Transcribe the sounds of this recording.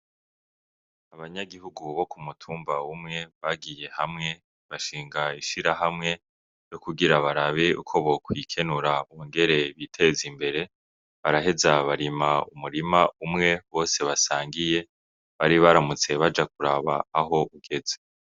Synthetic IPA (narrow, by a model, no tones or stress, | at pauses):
aβaɲaɡiɦuɡuβo̞kumutʰuːmbaumŋe̞βaɡije̞hamŋe̞ | βaʃiːŋɡaiʃiɾaɦamŋe̞ | jo̞kuɡiɾaβaɾaβeṵkʰo̞βo̞kwiːkʰe̞nuɾaŋɡe̞ɾe̞βitʰe̞zimbe̞ɾe̞ | βaɾaɦe̞zaβaɾimaumuɾimaumŋe̞βo̞ːse̞βasaːŋɡije̞ | βaɾiβaɾamut͡se̞βad͡ʒak̚uɾaβa̰ːɦo̞uɡ̥e̞ze